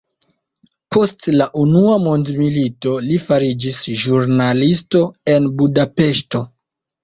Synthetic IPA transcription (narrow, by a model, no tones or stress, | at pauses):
po̞stlaʔunuamondmilito̞lifaɾid͡ʒisʒuɾnalisto̞e̞nbudape̞ʃto̞